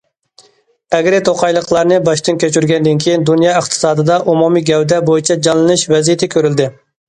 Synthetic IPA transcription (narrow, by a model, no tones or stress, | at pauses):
ɛɡɾɪt̪ʰoqʰɑjlˠəqlˠɑɾnɨbɑʃt̪ɨnkʲʰøt͡ʃyɾɡʲɛnd̪ɪnkʲʰejind̪unjɑəχqt̪ʰɨ̥sɑːd̪ɨd̪ɑʔumumiɡʲɛwd̪ɛbojit͡ʃʰɛd͡ʒɑnlˠɨnɨʃvɛzijet̪ʰɪkʲʰøɾyld̪ɪ